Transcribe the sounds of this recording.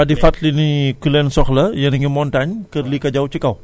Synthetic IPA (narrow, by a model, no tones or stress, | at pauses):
adifat̪linikulɛnsɔkləjaniŋəmɔntaɲkərlikad͡ʒawt͡ʃəkaw